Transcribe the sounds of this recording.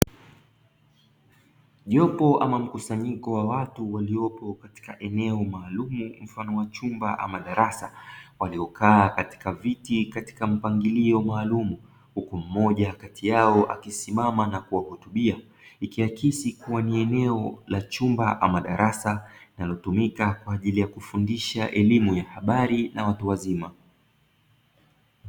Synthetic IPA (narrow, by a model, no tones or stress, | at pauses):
ʄɔpɔʔamam̩kusaɲikɔwawatuwaliɔpɔkati̥kaʔɛnɛɔmaːlumum̩fanɔwat͡ʃumbaʔa̰maɗaɾasawaliɔkaːkati̥kavitikati̥kam̩paŋɡiliɔmaːlumu | hukum̩mɔʄakatijaɔʔa̰kisimamanakuwahutuɓia | ikiakisikuwaniɛnɛɔlat͡ʃumbaʔa̰maɗaɾasainalɔtumikakwaːʄilijakufundiʃaʔɛlimujahaɓaɾinawatuwazima